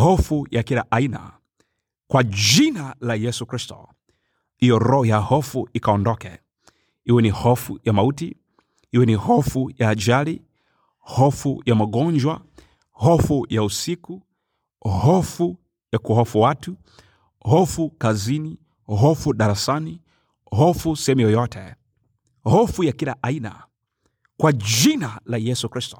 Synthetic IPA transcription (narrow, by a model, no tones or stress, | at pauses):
hɔfujakilaʔaina̰ | kwaʄinalajɛsukɾistɔ̰ | ijɔɾɔhɔjahɔfuikaɔndɔkɛ̰ | iwɛnihɔfujamauti | iwɛnihɔfujaːd͡ʒali | hɔfujamaɠɔɲd͡ʒwa | hɔfujausiku | hɔfu | jakuhɔfuwatu | hɔfukazini | ɦɔfuɗaɾasani | hɔfusɛhɛmujɔjɔtʰɛ | hɔfujakilaʔaina̰ | kwad͡ʒinalajɛsukɾistɔ̥